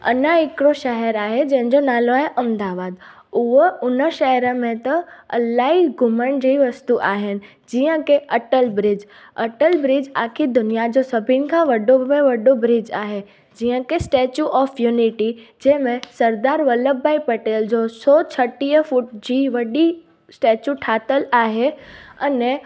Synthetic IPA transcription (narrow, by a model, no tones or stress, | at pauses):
ɐ̰nəɪkɪɽoʃɐɦəɾaːɦed͡ʑɐ̃ɦɪ̃ɲd͡ʑonaːloaːɦeʔɐ̃md̪aːʋaːd̪ | ʊɦʊnəʃɐɦəɾə̆mẽt̪ɐɐlaːiɡʱʊməɽ̃d͡ʑeiʋɐst̪uʔaːɦɪnɪ̆ | d͡ʑiːə̃keʔɐʈəlbɾɪd͡ʑ | ɐʈəlbɾɪd͡ʑaːkʰid̪ʊnijad͡ʑosɐbʱɪnɪ̆kʰãʋɐɖomẽʋɐɖobɾɪd͡ʑaːɦe | d͡ʑiːə̃kesʈeːt͡ɕuʔɔːfjuːnɪʈid͡ʑɛɦmẽsɐɾd̪aːɾʋɐləbaːipɐʈeːld͡ʑosɔːt͡ɕʰɐʈiəfʊʈd͡ʑiːʋɐɗi | sʈeːt͡ɕuʈʰaːt̪əlaːɦeɐne